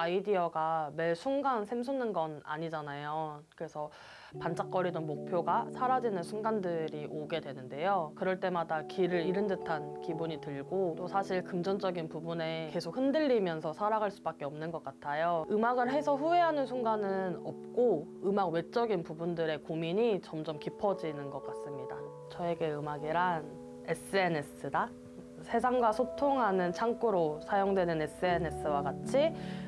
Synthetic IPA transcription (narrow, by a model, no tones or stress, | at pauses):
aidiʌɡame̞ɭsʰuŋɡansʰemsʰunɯnɡʌna̰ɲid͡ʑanajokɯɾe̞sʰʌ | pant͡ɕ͈ʰak̚k͈ʌɾidʌnmok̚pʰjoɡasʰaɾad͡ʑinɯnsʰuŋɡandɯɾiʔoɡe̞dwe̞nɯnde̞jokɯɾʌɭt͈e̞madakiɾɯɾiɾɯndɯtʰankibuɲitɯɭɡot͈osʰaɕʰiɭkɯmd͡ʑʌnd͡ʑʌɡinpubune̞ke̞sʰok̚hɯndɯɭːimjʌnsʰʌsʰaɾaɡaɭs͈ubak͈̚e̞ʌmnɯnɡʌk͈atʰajoɯmaɡɯɭɦe̞sʰʌɸueɦanɯnsʰuŋɡanɯnʌp̚k͈oɯmaɡwe̞t͡ɕ͈ʌɡinpubundɯɾe̞komiɲit͡ɕʌmd͡ʑʌmkipʰʌd͡ʑinɯnɡʌk͈as͈ɯmɲida | t͡ɕʌe̞ɡe̞ɯmaɡiɾan | e̞s͈ɯe̞ne̞s͈ʰɯda | sʰe̞sʰaŋɡwasʰotʰoŋɦanɯnt͡ɕʰaŋk͈uɾosʰajoŋdwe̞nɯne̞s͈ɯene̞s͈ɯwaɡat͡ɕʰi